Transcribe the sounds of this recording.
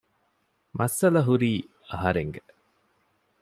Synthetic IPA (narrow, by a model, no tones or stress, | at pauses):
mʔɐsɐlɐɦuɾiː | ɐɦɐɾeŋɡe